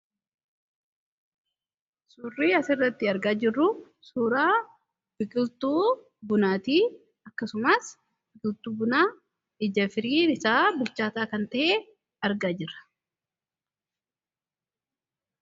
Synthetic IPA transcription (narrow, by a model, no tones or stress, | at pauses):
suːrːiːɐsɪrːɐt̪ːɪɐɾɡaːd͡ʒɪrːʊ | suːɾaː | bɪkʼɪlt̪uː | bʊnaːt̪iː | ɐkːɐsʊmɐs | bɪkʼɪlt̪uːbʊnaː | ɪd͡ʒɐfɪɾiːnɪsaːbʊlt͡ʃːaːt̪aːkɐnt̪ɐʔe | ɐɾɡaːd͡ʒɪrːɐ̥